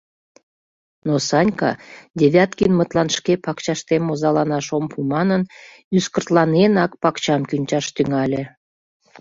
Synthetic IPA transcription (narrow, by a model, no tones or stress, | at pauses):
nosɑnʲkɑ̰d̪ʲeβʲjɑt̪̚kinmət̪lɑnʃkepɑkt͡ɕɑʃt̪emozɑlɑnɑʃompʰumɑnən | yskərt̪lɑnenɑkpɑkt͡ɕɑmkynʲt͡ɕɑʃt̪yŋɑlʲe